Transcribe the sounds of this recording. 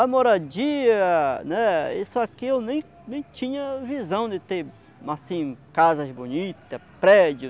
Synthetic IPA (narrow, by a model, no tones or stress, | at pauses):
amoɾad͡ʒiɐnɛisʊakiewnẽj̃ | nẽj̃t͡ʃĩɲɐvizɐ̃w̃d̪ɪt̪eɾ | asĩkazɐbõnit̪ɐpɾɛd͡ʒʊ